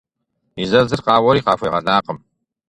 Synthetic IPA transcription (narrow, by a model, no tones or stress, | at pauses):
izɐzɨrqɑːwɔɾiːqɑːfʷɐjʁɐɮaːqəm